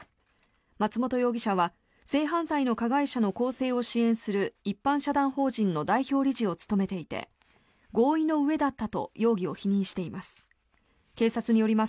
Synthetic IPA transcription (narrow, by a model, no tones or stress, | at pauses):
mat͡sɨmo̞t̪o̞jo̞ːɡʲiɕaβa | se̞ːɦãñzaino̞kaɡaiɕano̞ko̞ːse̞ːo̞ɕiẽ̞ɰ̃sɨɾɯ̟ipːãɰ̃ɕad̪ãɰ̃ho̞ːʑĩnːo̞d̪aiçʲo̞ːɾʲiʑio̞t͡sɨ̥t̪o̞me̞t̪e̞it̪e̞̰ | ɡo̞ːino̞ɯ̟e̞d̪at̪ːat̪o̞̰jo̞ːɡʲio̞çiɲ̟ĩɰ̃ɕi̥t̪e̞imasɨ̥ | ke̞ːsat͡sɨɲ̟ijo̞ɾʲima